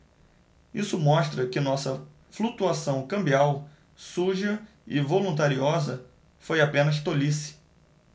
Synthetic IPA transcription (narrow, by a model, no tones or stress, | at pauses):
isʊmɔʃt̪ɾɐkɪnɔsɐ | flut̪uasɐ̃w̃kɐ̃mbiaw | suʒɐ | ɪvolũnt̪aɾiɔzɐ | fojapẽnɐʃ̬t̪olisɪ̥